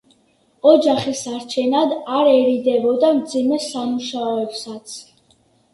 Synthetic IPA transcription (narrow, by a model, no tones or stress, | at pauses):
ɔd͡ʒaχisaɾt͡ʃʰɛnad̪aɾɛɾid̪ɛbɔd̪amd̪zimɛsamuʃaɔɛpsat̪sʰ